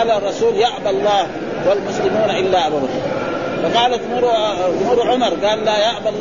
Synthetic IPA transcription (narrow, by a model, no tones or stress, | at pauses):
larˤːɑsuːljaʕbalˤːɑːh | walmʊslɪmuːnaʔɪlːaːʔabad̪a | fɑqɑːlat̪muɾmuɾʕʊmɑɾˤɡaːllajaʕbalː